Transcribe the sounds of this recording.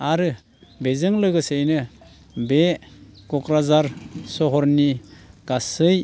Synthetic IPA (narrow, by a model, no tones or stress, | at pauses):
aɾɯ | bezɯŋlɯɡɯsejnɯ | bekɔkɾazaɾsɔɦɔɾniɡ̥asɯj